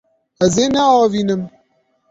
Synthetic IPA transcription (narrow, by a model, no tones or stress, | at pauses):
ɛzeːnɛɑːviːnɨm